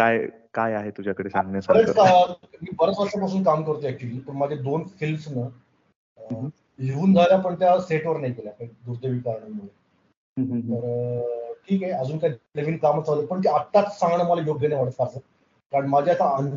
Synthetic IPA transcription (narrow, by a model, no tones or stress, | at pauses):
kaj | kajaɦet̪ud͡ʑʱjakəɽesãŋɡnjəsəɾet͡skamiːbəɾət͡sʋəʂapasuːnkamkəɾt̪eæk̚t͡ɕuliːpəɳmad͡ʑʱed̪onfilmsnə | ɦeʋuːnd͡zʱaljapəɳt̪jaseʈʋəɾnaikeljakaid̪uɾd̪eʋiːkaɾɳəmoɭe | t̪əɾ | ʈʰiːkɦeəd͡zuːnkaieʋiːnkamat͡saʋlepəɳt̪̬eat̪ːat͡s̪sãŋɡɳaməlajoɡʱjənaʋaɽət͡skaɾt̪ə | kaɾəɳmad͡ʑʱeasaən